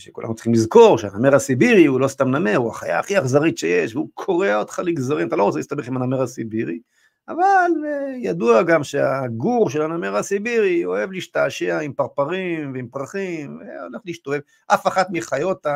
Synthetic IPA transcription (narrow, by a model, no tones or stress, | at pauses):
ʃekṵla̰nut͡sχimlizko̞ʁʃea̰nameʁasibiʁiulost̪amnameʁua̰χa̰ja̰ːχiaχzaʁit̪ʃejeʃveukʰo̞ʁeaod̪χaliɡzaʁimat̪alo̞ʁot͡selist̪abeχimanameʁasibiʁi | avaljad̪uaɡamʃeaɡuʁʃelanameʁasibiʁio̞evliiʃt̪aːʃeaimpaʁpaʁimveimpʁaχimvḛo̰leχliːʃt̪ovev | ʔafaχat̪miχajo̞t̪a